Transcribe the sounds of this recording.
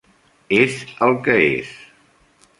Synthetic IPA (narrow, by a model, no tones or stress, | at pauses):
ezəlˠkəḛs